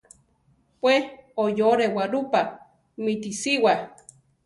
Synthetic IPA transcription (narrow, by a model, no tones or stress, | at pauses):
pʷwehojoɾewaɾupa | mit̪isiwa